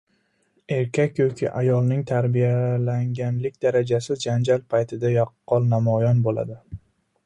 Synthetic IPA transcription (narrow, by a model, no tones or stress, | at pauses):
e̞ɾkʲʰakʲjɒkʲʰɪ̰ʔajɒlˠnɪŋt̪ʰaɾbijalaŋɡʲanlɪkʲd̪aɾad͡ʒasɪzd͡ʒand͡ʒalpʰajt̪ʰɪd̪ajɒqʰːɒlˠnamɒjɒnbola̰d̪ɪ